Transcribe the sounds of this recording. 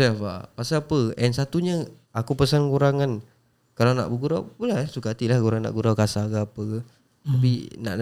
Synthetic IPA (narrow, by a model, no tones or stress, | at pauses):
ɛfa̰pasaapəʔɛnsat̪uɲə | akupəsankuɾaŋan | kalawna̰ʔbəɡuɾawbulaɦsukat̪ilahkuɾaŋna̰ʔɡuɾawkasaɡaːpəɡə | t̪apḭna̰ʔ